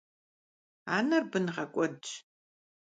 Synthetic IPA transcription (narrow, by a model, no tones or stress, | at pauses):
aːnɐrbɨnʁɐkʷʼɔdt͡ʃ